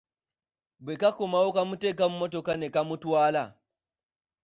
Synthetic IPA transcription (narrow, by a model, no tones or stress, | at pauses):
bwekakomawokamutekam̩mot̬ɔkanekamutwaːla̰